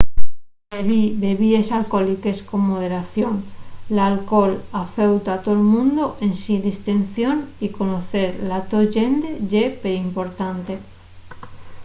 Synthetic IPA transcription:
beβibeβiesalkolikeskomːoðeɾaθjonlalkolafewt̪at̪olmũnd̪oʔensiðist̪en̟θjonikonoθeɾlat̪oʒend̪eʝepeɾimpoɾt̪ant̪e

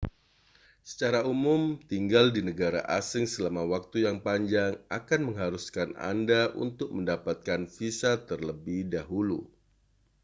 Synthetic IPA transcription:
sə̥t͡ʃaɾaumʊmt̪iŋɡaldinəɡaɾa̰ʔasɪŋsəlamawak̚t̪ujaŋpaɲd͡ʒaŋa̰kanməŋɦaɾuskana̰ndaʔṵnt̪ʊk̚məndapat̪̚kanfisat̪ərləbɪhdaɦulu

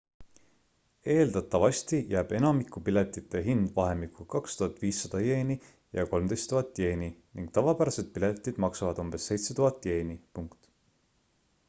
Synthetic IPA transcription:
e̞ːld̪̥ɑt̪ːˑɑvɑst̪ijæːb̥e̞nɑmikˑupile̞t̪ːˑit̪ːe̞ɦind̪̥vɑɦe̞mikːukɑkst̪uɑt̪ːˑviːsːɑd̪̥ɑje̞ːni | jɑ̰ko̞lmd̪e̞jst̪ːuɦɑt̪ːˑje̞ːniniŋɡ̥t̪ɑvɑpæɾɑse̞d̪̥̚pile̞t̪ːˑid̪̥mɑksɑvɑd̪̥umb̥e̞sːe̞jt̪set̪uɦɑt̪ːˑje̞ːnipuŋkt̪

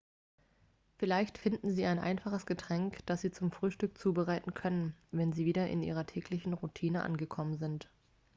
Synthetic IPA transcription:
fɪlaɪçtfɪndn̩ziːaɪnʔa̰ɪnfaχəsɡ̥ətʁ̥ɛŋkd̥asz̥iːt͡sʊmfʁ̥yːʃtʏk̚t͡suːbəʁaɪtn̩kʰœnənvɛnziːviːɾɐʔɪ̰nʔḭːʁ̞ɐtʰɛːklɪçn̩ʁutʰiːnəʔa̰nɡəkʰɔmənzɪnt

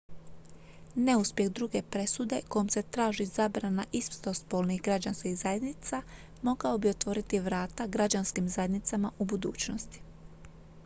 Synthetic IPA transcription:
ne̞uspje̞ɣd̪ɾuɡe̞pɾe̞sud̪e̞ko̞jomse̞t̪ɾaːʒizaːbɾanaʔispt̪o̞spolnixɡɾad͡ʑanskihzaje̞d̪nit̪sa | mo̞ɡao̞bio̞t̪ʋo̞ɾit̪iʋɾaːt̪aɡɾad͡ʑanskimzaje̞d̪nit̪samaʔubud̪ṵːt͡ɕnost̪i̥

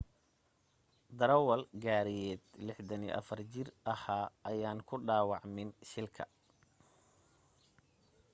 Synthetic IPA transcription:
d̪ɐɾɐwɐlɡaːɾijɛːd̪lɪħd̪ɐnḭʔɐ̰fɐrt͡ʃɪrʔɐhaːʔɐjaːnkʰʊɖaːwɑʕmɪnʃɪlkʰɐ̰

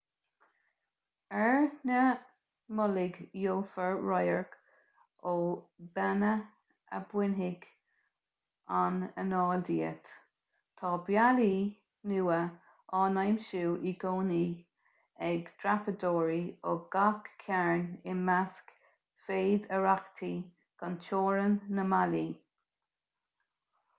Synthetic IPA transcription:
ɛɹnə | mʊlɪɡjoːfəɹɹajəɹk | obɛnə | ə̰bwɪnɦɪɡ̥ | anə̰nɑːld̪iːə̰t̪ | t̪ʰɑːbjali | nuːə | ʔɑːnajmʃuːʔiɡoːni | ɛɡd̥ɹapədoːɹioɡ̥akkʰːɛɹnɪnmask | feːd̪əɹakt̪ʰi | ɡ̥ant͡ʃʰoːɹənːəmaliː

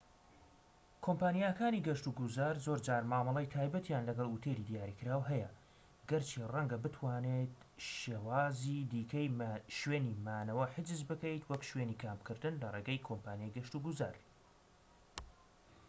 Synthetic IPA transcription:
kʰompaːnijakaːniɡɐʃt̪uɡuzaːɾzoɾd͡ʒaːɾmaːmɑlˠɐjt̪ʰaːjbɐt̪jaːnlɐɡɐlˠut̪ʰeɾid̪ijaːɾiːkɨɾaːwɦɛjɐ | ɡɐɾt͡ʃʰirɐŋɡɐbɨt̪ʰwaːnet̪ʃeːwaːzid̪iːkʰɐjʃweːnimaːnɐwɐħɨd͡ʒɨzbɨkɐjt̪ʰwɐkʃweːniːkʰaːmpkʰɨɾd̪ɨnlɐreːɡɐjkʰompaːnjajɡɐʃt̪uɡuza̰ːɾ

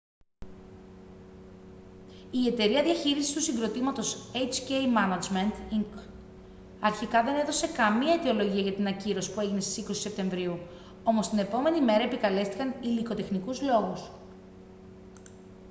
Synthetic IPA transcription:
ie̞t̪e̞ɾiɐðiɐçiɾisi̥st̪usiŋɡɾo̞t̪imɐt̪o̞sejt͡scejmɐnɐd͡zment̪iŋk | ɐɾçikɐðe̞ne̞ðo̞se̞kɐmiɐet̪io̞lo̞ʝiɐʝɐt̪inɐciɾo̞si̥pue̞ʝine̞st̪i̥sikosi̥se̞p̚t̪e̞ɱvɾiu | o̞mo̞st̪ine̞po̞me̞nime̞ɾɐe̞pikɐle̞st̪i̥kɐniliko̞t̪e̞xnikuzlo̞ɣus

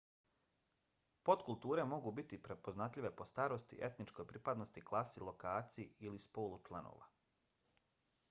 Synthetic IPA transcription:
po̞t̪kulˠt̪uːɾe̞mo̞ɡubit̪ipɾepo̞znat̪ʎʲiʋe̞po̞st̪aːɾost̪ḭʔe̞t̪nit͡ʃko̞jpɾipad̪nost̪iklˠaːsilˠo̞kaːt̪sijiilispo̞ːlˠut͡ʃlˠano̰ːʋa̰

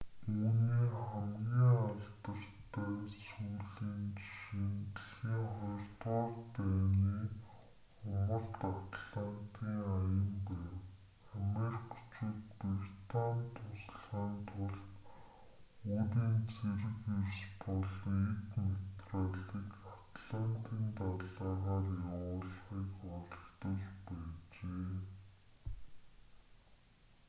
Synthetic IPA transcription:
uːniːχæmɡʲiːŋaɮt̪ə̆r̥t̪ʰæːsuːɮiːnʃint̪ə̆ɮxiːŋχɔjrt̪waːrpæːniː | ʊmə̆rt̪at̪ɮant̪ʰiːŋajə̆mpæːw | amerikʰt͡ɕuːt̪̚pirt̪ʰannt̪ʰʊs̆ɮʁaːnt̪ʰʊɮt̪ | uːɾiːnt͡sʰeɾɘ̆kewspɔɮɞ̆ŋekmet̪raɮiːkat̪ɮant̪ʰiːnt̪aɮaːʁaːrjawʊːɮχiːkɔɮt̪ɞ̆ɮpæːt͡ɕeː

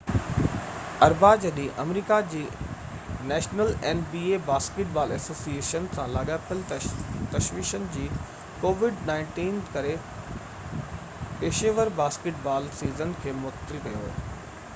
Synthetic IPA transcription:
ɐɾbaːd͡ʑɐɗĩʔɐmɾiːkad͡ʑiː | nɛːʃnəlɛːnbiːebaːskɪʈbaːlɛːsoːsieːʃənsãlaːɠapʰɪlt̪ɐʃʋiːʃənɪ̆d͡ʑiː | koːʋɪɖnãːɪ̃ɳʈiːnkɐɾe | peːʃeʋəɾbaːskɪʈ̚baːlsiːzənkʰeːmʊt̪ɾikɐjoɦo̰ː

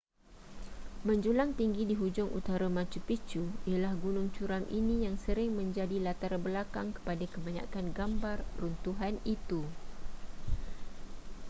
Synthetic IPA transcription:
mə̃ɲd͡ʒulaŋt̪iŋɡidiɦud͡ʒʊŋʔṵt̪aɾamãt͡ʃupit͡ʃuijalahɡunʊŋt͡ʃuɾamʔinĩjaŋsəɾɪŋmə̃ɲd͡ʒadilat̪aɾabəlakaŋkə̥padakəbaɲã̰kanɡambarrunt̪uɦanit̪u

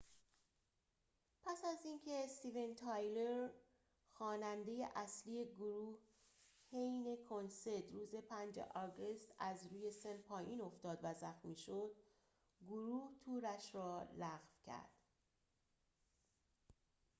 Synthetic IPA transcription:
pʰæsæziːncʰe̞st̪ive̞nt̪ʰɑjleɾ | xɒːnænd̪e̞je̞ʔæslije̞ɡoɾuːh | hejne̞kʰo̞nse̞ɾt̪ɾuːze̞pʰænd͡ʒḛʔɒɡe̞st̪æzɾuːje̞senpʰɒːjiːno̞ft̪ɒːd̪væzæxmiːʃo̞d̪̥ | ɡoɾuːht̪ʰuːɾæʃrɒːlæɣvcʰæ̰ɾd̪̥

